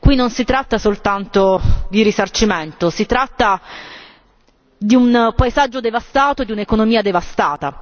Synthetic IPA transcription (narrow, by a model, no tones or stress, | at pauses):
kwinːonsit̪ɾat̪ːasolt̪ant̪od̪iɾisart͡ʃiment̪osit̪ɾat̪ːa | d̪iunpaezad͡ʒːod̪evast̪aːt̪od̪iunekonomiːad̪evast̪aːt̪a̰